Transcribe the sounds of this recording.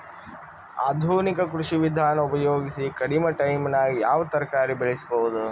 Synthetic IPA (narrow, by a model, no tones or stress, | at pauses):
a̰ːd̪ʱuːnikɐkɾuʂiʋid̪ʱaːnɐupɐjoːɡisikɐɽimɐʈɐjmnɐjaːʋɐt̪ɐɾkaːɾibeɭisbɐʋud̪u